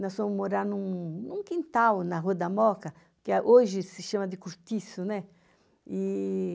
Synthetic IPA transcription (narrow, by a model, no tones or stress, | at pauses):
nɔsvẽmʊmoɾaɾnũnũŋkĩnt̪awnɐɦud̪ɐmɔkɐ | kɪaʔoʒɪsɪʃãmɐd̪ɪkuɾt̪isʊnɛ | i